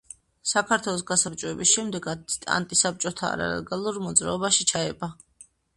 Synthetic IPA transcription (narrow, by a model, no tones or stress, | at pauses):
sakʰaɾt̪ʰwɛlˠɔsɡasaɾt͡ʃʼɔɛbisʃɛmd̪ɛɡad̪t̪ʼa̰nt̪ʼisap̚t͡ʃʼɔt̪ʰa̰ːɾa̰lɛ̰ɡalˠuɾmɔd̪zɾaɔbaʃit͡ʃʰaɛba